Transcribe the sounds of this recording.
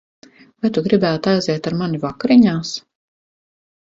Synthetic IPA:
vajt̪uɡɾibæːt̪ajzɛt̪aɾmanivakɾiɲaːs

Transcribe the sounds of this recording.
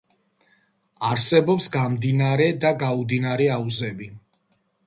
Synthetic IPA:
aɾsɛbɔpsɡamd̪inaɾɛd̪aɡaud̪inaɾɛauzɛbi

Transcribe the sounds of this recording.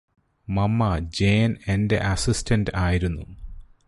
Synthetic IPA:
mɐmːɐd͡ʑeːnende̞̰ʔɐsistʰɐndɨaːjiɾunːu

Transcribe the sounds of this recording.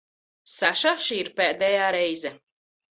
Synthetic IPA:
saʃaʃiːɾpɛːd̪ɛjaːɾɛjzɛ

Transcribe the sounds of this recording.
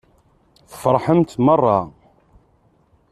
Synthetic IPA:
θə̥fəɾˤħəmt̪mərˤːɑ

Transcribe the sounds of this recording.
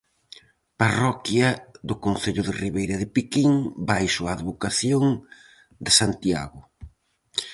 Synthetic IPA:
parɔkjɐðʊkonθeʎʊðɪriβejɾɐðɪpikiŋbajsoaːðβokaθjoŋ | d̪ɪsant̪ia̰ɣʊ

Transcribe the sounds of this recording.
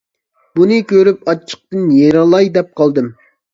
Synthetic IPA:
bunɨkʲʰøɾypɑt͡ʃʰːə̥q̚t̪ɨnjeɾɑlˠɑjd̪ɛp̚qʰɑlˠd̪ɨm

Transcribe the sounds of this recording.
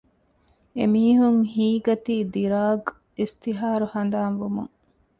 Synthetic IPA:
emiːɦuŋhiːɡɐt̪iːd̪iɾaːɡ | ist̪iɦaːɾuhɐnd̪aːnʋumṵŋ

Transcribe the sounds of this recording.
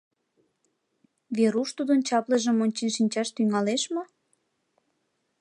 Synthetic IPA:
βeɾuʃt̪ud̪ənt͡ɕɑpleʒə̆monʲt͡ɕenʃinʲt͡ɕɑʃt̪yŋɑleʃmo

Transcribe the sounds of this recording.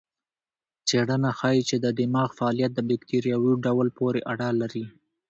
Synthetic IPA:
t͡seɽənaxɑjit͡ʃed̪əd̪ɪmɑɣfaːlijat̪̚d̪əbɪkt̪iɾjɑwiɖawlpoɾeʔaɽalaɾi

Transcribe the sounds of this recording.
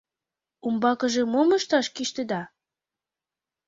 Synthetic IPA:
umbɑkɤ̆ʒĕmoməʃt̪ɑʃkiʃt̪ed̪ɑ

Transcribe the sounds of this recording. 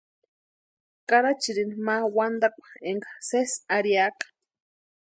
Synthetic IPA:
kʼaɾat͡ʃiɾinimawand̪akʷḁeŋɡasesaɾiakḁ

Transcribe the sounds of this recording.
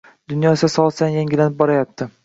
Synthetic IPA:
d̪ʊnjɒesasɒsanjaŋɡʲɪlanɪp̚bɒɾajap̚t̪ʰɪ

